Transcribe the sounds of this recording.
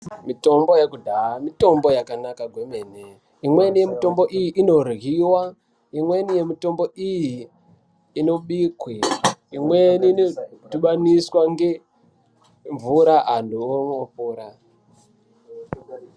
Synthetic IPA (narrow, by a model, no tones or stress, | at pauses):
mito̞mbo̞jekudʱaamito̞mbo̞jakanakaɡʱwemene | imwe̞nije̞mito̞mbo̞ʔijiʔino̞rɣiwa | imwe̞nije̞mito̞mbo̞ijiː | no̞ɓikwiimweninotuɓaniswaŋɡe̞ | ɱvuɾaɦanduoŋopuːɾa